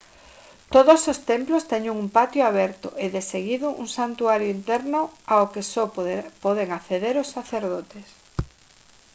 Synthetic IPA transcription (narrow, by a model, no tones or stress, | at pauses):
t̪oðosost̪emplost̪ɛɲuŋumpat̪jʊaβɛɾt̪ʊ̰ʔeðeseɣiðʊʔṵŋsant̪uaɾjʊint̪ɛɾnʊaokesopɔðeŋaθeðeɾosːaθeɾðot̪es